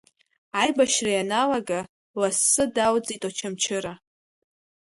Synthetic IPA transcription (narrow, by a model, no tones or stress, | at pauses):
ajbaʃrajanalaɡa | lasːɨdawd͡zitʼat͡ʃʰamt͡ʃʰɪɾa